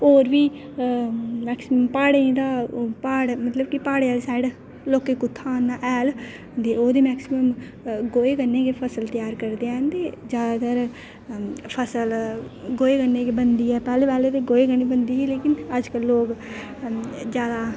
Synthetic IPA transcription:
oːɾʋiː | mɛːksɪməmpaːɽẽd̪aːpaːɽmət̪ləbkɪpaːɽeɛːlsaːɪɖ | loːkeːkʊt̪ʰːaːnaːʔɛːl | d̪eːoːd̪eːmɛːksɪməm | ɡoːeːkənːeːkepʰəsəlt̪ɪjaːɾkəɾd̪eːɛ̃ːnt̪eːd͡ʒjaːd̪aːt̪əɾ | pʰəsəlɡoːeːkənːeːkeːbənd̪iːɛːpɛːleːbɛːleːt̪eːɡoːeːkəñiːbənd̪iːɛleːkɪnəd͡ʒkəlːoːk | d͡ʒjaːd̪aː

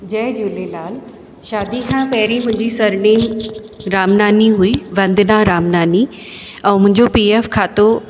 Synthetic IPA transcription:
d͡ʑɛːɦd͡ʑulelaːl | ʃaːd̪ikʰãpɐɦɪɾimʊ̃ɪ̃ɲd͡ʑisɐɾniːm | ɾaːmnaːniɦuiʋɐ̃nd̪naɾaːmnaːni | ɛ̃ːmʊ̃ɦɪ̃ɲd͡ʑopiːeːfkʰaːt̪o

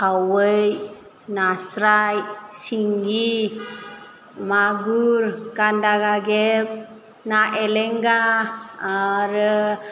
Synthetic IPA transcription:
awəj | nasɾajsiŋɡi | maɡuɾkandaɡaɡɛp̚ | naʔɛlɛŋɡaː | ɾə

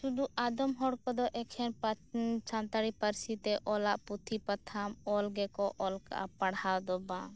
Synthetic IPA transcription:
sud̪uʔad̪ɔmɦɔɽkɔd̪ɔʔɛkʰɛnpat͡ʃant̪aɽipaɾsit̪ɛʔɔlaʔput̪ʰipat̪ʰamɔlɡɛkɔʔɔlka̰ʔa̰paɽhad̪ɔbã

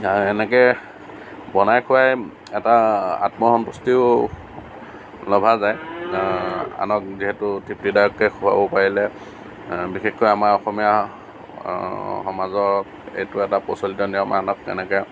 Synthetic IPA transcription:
aɹɛnɛkɛ | bɔnajkʰʊwaj | ɛtaa̰tmɔxɔnpustiʊ | lɔbʱazaj | a̰nɔk̚ziɦɛtʊtʰiptidajɔkːɛjxʰua̰bɔpaɹilɛ | bixexkɔjamaɹɔxɔmija | hɔmazɔk | ḛjtʊɛtapɔ̰solitɔnijɔma̰nɔk̚ɛ̰nɛkɛ

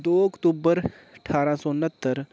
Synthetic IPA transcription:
d̪oəkʈuːbəɾ | əʈʰaːɾãsɔnət̪ːəɾ

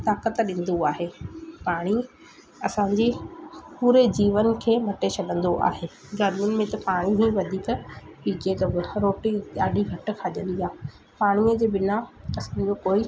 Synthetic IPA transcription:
t̪aːkət̪ɗɪ̃ːn̆d̪oaːɦeːpaːɽ̃i | ɐsãɲd͡ʑiːpuːɾed͡ʑiːʋənkʰeːmɐʈesɐɡʱə̃nd̪oʔa̰ːɦeː | ɡaːɖmɪ̃nmẽt̪ɐpaːɽ̃iɦĩʋɐd̪ʱiːkpiːd͡ʑet̪ɐɾoːʈiɗaːɗʱiɡʱɐʈʊ̆kʰaʄə̃nd̪iaː | paːɽ̃iəd͡ʑeːbɪnaɐsãɲ̆d͡ʑoːkoːi

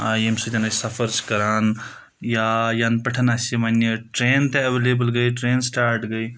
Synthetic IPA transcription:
aːjemsud͡ʒʲɐnɐsɐfʰəɾt͡ʃkɐɾaːn | jaːjaːnpɐʈʰɐnaːsimɐneʈɾeːnt̪eɐʋeleːbəlɡɐiʈɾẽːnsʈaːɾʈɡɐi

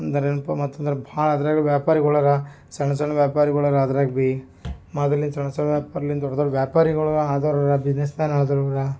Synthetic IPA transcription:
ɐnd̪ɐɾenpɐmɐt̪ːɐnd̪ɐɾebʱaːɭɐːd̪ɐɾaːɡɐɭʋjaːpaːɾiɡɔɭɐɾɐ | sɐɳɐsɐɳɐʋjaːpaːɾiɡɐɭɐɾaːd̪ɐɾaːɡbi | mɐd̪ɐlːinsɐɳːɐsɐɳɐʋjaːpaːɾɐlːind̪ɔɽɐd̪ɐɭuʋjaːpaːɾiɡɐɭɐɐaːd̪ɐɾɐɾɐbid͡ʒnesmaːnaɭɐd̪ɐɾɔɐɾɐ

